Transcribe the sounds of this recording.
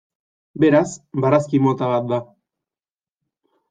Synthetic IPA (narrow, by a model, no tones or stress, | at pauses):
be̞ɾasbaɾaskimo̞t̪aβat̪̚d̪a